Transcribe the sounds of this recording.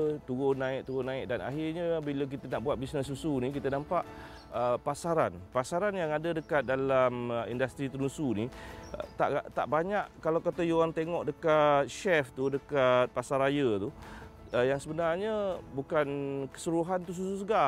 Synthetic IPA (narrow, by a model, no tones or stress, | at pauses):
t̪uɡonãɪʔ̚t̪uɡonãɪk̚dana̰ɦirɲəbilak̬it̪ənaʔbuat̪̚bisnəsːusunĩk̬it̪ənampaʔ | əpasaɾanpasaɾanjaŋadədəkat̪̚dalamḭndast̪ɾit̪əɾusunit̪a̰ʔʔt̪a̰ʔbaɲaʔkalawkat̪ajoant̪eŋɔʔdəkat̪̚ʃɛft̪udəkat̪̚pasaɾajət̪u | əjaŋsəbənarɲəbukankə̥suɾuɦant̪us̬usus̬əɡa